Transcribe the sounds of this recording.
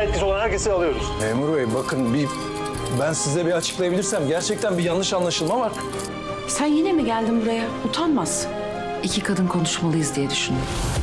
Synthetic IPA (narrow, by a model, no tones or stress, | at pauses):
ɛt̪̚cisiolˠanhæɾcʰesialˠɯjo̞ɾusmeːmuɾvejbakʰɯnbi | bænsizlɛbiat͡ʃʰɯ̥klˠajabiiɾsæmɟæɾt͡ʃʰɛc̚t̪ʰænbijanːɯʃanlˠaʃɯlˠmavaɾ̥ | sænjenimiɟælʲd̪imvɛ | ut̪ʰanmas | icʰikʰad̪ɯnkʰo̞nuʃmalˠɯjɯzd̪ijɛd̪yʃynd̪ɾ